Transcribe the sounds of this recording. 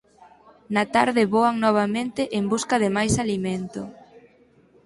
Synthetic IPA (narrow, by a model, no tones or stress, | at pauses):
nat̪aɾðɪβoaŋnɔβ̞amẽnt̪ɪʔembuskaðɪmajsaliment̪ʊ